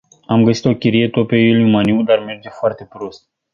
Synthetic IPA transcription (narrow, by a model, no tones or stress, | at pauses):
amɡəsi̥t̪o̞kʲiɾijet̪opejulujiumaniwd̪arme̞rd͡ʒefoart̪e̞pɾost̪̚